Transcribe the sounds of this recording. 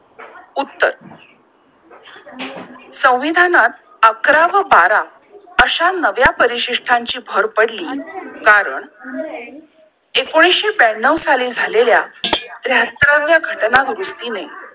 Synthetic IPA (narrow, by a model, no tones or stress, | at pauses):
ut̪ːə̰ɾ | sə̃w̃ʋid̪ʱanat̪̚ | əkɾaʋəbaɾa | əɕanəʋjapəɾiɕiʂʈʰaɲt͡ɕiːbʱəɾpəɽliːkaɾəɳ | ekoɽ̃isɕebænːəʋsalid͡zʱalelja̰d̪ɾjat̪ɾaʋjaɡʱəʈnaɡɾusʈine